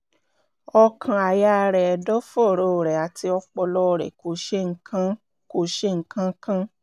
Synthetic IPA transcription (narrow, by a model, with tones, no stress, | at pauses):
ɔ˧kʰã˧a˨ja˦˧ɾɛ˨dɔ˦fɔ˦˨ɾo˦˨ɾɛ˨a˨ti˧ɔ˧k͡pɔ˧lɔ˦˧˨ɾɛ̰˨ko˨˧˦ʃe˦ŋ̩˦kʰã˦ | ko˧˦ʃe˦˨ŋ̩˦kã˦kã˦